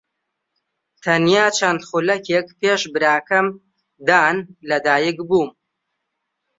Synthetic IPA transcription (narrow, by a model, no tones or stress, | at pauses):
t̪ʰɐnjaːt͡ʃʰɐnd̪χulɐkek̚peːʃbɨɾaːkɐm | d̪aːnlɐd̪aːjɪkbuːm